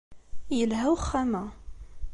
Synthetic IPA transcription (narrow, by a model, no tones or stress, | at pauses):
jəlɦæwχːæmæ